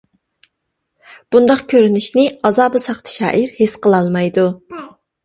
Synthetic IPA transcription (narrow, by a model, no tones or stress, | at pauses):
b̥und̪ɑqkʲʰøɾynyʃnɪɑzɑːbɨsɑχt̪ʰɨ̥ʃɑ̰ːʔiɾhesqəlˠɑlˠmɑjd̪u